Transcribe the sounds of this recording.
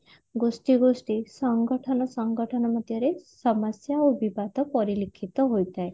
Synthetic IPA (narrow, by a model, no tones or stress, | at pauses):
ɡosʈiɡosʈisɔŋɡɔʈʰɔnɔsɔŋɡɔʈʰɔnɔmɔd̪ʱjɔɾesɔmɔsjaubibat̪ɔpɔɾilikʰit̪ɔɦojt̪aj